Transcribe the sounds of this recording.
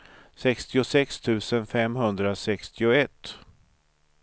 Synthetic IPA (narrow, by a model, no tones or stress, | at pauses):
sɛkst̪ɪʊsɛkst̪ʰʉ̟ːsənfɛmːɦɵnd̪ɾasɛkst̪ɪʊɛt̪ː